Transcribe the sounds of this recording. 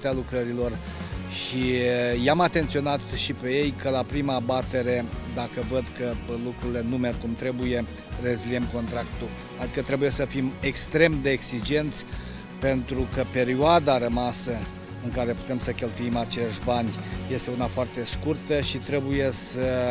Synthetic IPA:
t̪ealukɾəɾilo̞r | ʃijamat̪e̞nt̪sio̞nat̪ʃipe̞je̞jkəlapɾimaːbat̪e̞ɾe̞d̪akəvəd̪kəlukɾuɾile̞nume̞rkumt̪ɾe̞buje̞ | re̞ziliemko̞nt̪ɾakt̪u | ad̪ikət̪ɾe̞buje̞səfime̞kst̪ɾe̞md̪e̞ːksid͡ʒe̞nt̪sʲ | pe̞nt̪ɾukəpe̞ɾioad̪aɾəmasə | ɨŋkaɾe̞pu̥t̪e̞msəkʲe̞lt̪uimat͡ʃe̞ʃt̪banʲje̞st̪e̞unafoart̪e̞skurt̪əʃit̪ɾe̞buje̞sə

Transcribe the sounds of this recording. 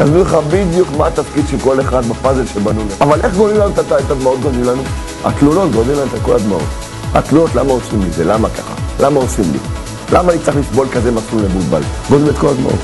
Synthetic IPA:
jaznuleχabid̪jukmaːt̪afkid̪ʃelko̞le̞χad̪bapaze̞lʃebanuleavalʔeχɡolimlanut̪aaet̪ad̪mao̞t̪̚ɡodimlanu | a̰t̪lulo̞t̪ɡod̪limlanuet̪ako̞lad̪mao̞̰t̪ | a̰t̪luno̞t̪la̰mao̞simlizelamaka̰χa̰lamaosimlḭ | lamanit͡seχlisbo̞lkaze̞masumlebulba̰lɡod̪limet̪ko̞lad̪ma̰ʔo̰t̪

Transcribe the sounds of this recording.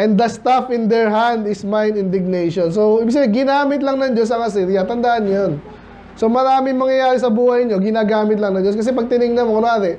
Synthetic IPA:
ʔɛ̃nd̪ɐst̪afɪnd̪ɛɹɦãnd̪ɪsmajnɪnd̪ɪɡ̚nejʃonsowiːbɪɡs̬ɐbiɡɪnaːmɪt̪lɐŋnɐŋd͡ʒo̞s̬ɐŋas̬iɾijɐt̪ɐnd̪aʔɐnːjon | somɐɾaːmɪŋmɐŋjɐjaːɾɛsɐbuːhɐjɲo̞ɡɪnaːɡaːmɪt̪̬lɐŋnɐŋd͡ʒoskɐs̬ɛpɐɡ̚t̪ɪnɪŋnɐnmokɐnoaːt̪ɛ

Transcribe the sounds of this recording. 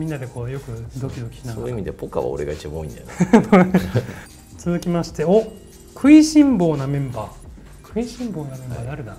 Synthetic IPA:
mʲĩnːad̪e̞ko̞ːjo̞kɯ̟d̪o̞kʲid̪o̞kʲi̥ɕinãoiimʲid̪epoka̰βa̰oɾeɡait͡ɕiboːĩnd̪ao | t͡sɨzɨkʲimaɕi̥t̪e̞o | kʰɯ̟iɕĩmbo̞ːnamẽ̞mbaː | kʰɯ̟iɕĩmbo̞ːnamẽ̞mbaːd̪eaɾɯ̟d̪a

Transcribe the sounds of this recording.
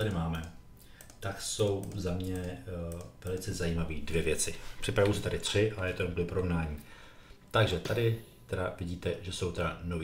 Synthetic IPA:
t̪adɪmaːmɛ | t̪akso̞wzamɲɛ | vɛlɪt͡sɛzajiːmaviːdvjɛvjɛt͡sɪpr̝̥ɪpɾavuwsɪt̪adɪt̪r̝̥ɪʔajɛt̪omklɪpoɾovnaːɲiː | t̪aɡʒɛt̪adɪ | t̪ɛdavɪɟiːt̪ɛʒɛso̞wt̪ɛda̰novi

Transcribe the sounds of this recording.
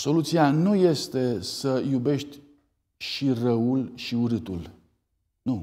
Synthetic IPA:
so̞lut̪sianuje̞st̪e̞səjube̞ʃt̪ʲ | ʃirəulʃiuɾɨt̪ul | nu

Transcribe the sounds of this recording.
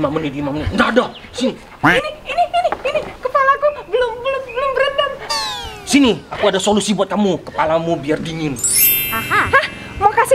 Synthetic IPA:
mamənidimamnindaada | sini | iniiniiniinikəpalakubəlʊmbəlʊmbəlʊmbəɾədan | siniakuadasolusibuat̪amukə̥palamubiardiɲɪnahaha | makasi

